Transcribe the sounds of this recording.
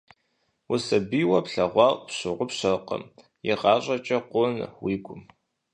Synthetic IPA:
wʊsɐbiwɐpɬɐʁʷɑrpɕɨʁʷʊpɕɐqə̰m | jɪʁɑːɕʷʼɐt͡ʃʼɐqʷʊnwiːɡʷʊm

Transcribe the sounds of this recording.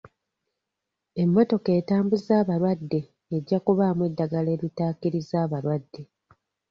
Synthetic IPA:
e̞mːo̞to̞ke̞ːtaːmbuzaːβaɾwadːe̞ː | ɟːakuβaːmwe̞dːaɡale̞ːlitaːkiɾizaːβaɾwadːe̞

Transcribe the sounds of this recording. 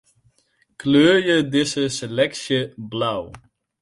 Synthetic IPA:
kløːrjədɪsəselɛksjəblaw

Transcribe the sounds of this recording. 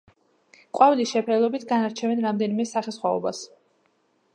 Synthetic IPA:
qʼwavlisʃɛpʰɾɛlˠɔbit̪ʰɡanaɾt͡ʃʰɛvɛnɾamd̪ɛnimɛsaχɛsχwaɔ̰bas

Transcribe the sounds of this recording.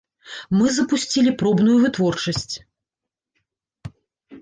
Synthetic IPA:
mɨzɐpusʲt͡sʲilʲipɾɔbn̪ujuvɨt̪vɔrt͡ʂɐsʲt͡sʲ

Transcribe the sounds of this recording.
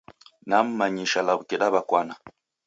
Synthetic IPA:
nam̩maɲiʃalaβukɛɗaβakwana

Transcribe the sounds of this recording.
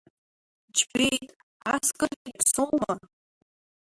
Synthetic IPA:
d͡ʒbejtʼ | askʼɨrʲipʰsoma

